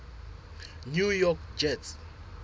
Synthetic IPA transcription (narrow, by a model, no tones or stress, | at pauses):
njujɔk̚d͡ʒɛt